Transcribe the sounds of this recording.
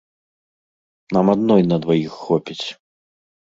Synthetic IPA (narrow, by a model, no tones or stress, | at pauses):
namad̪nɔjnɐd̪vajixːɔpʲit͡sʲ